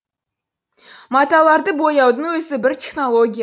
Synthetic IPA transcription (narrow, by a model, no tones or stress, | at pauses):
mɑt̪ɑlˠɑɾd̪əbo̞jɑwd̪əɴwɵzɪbɪɾt̪ʰʲeχno̞lˠoɡʲij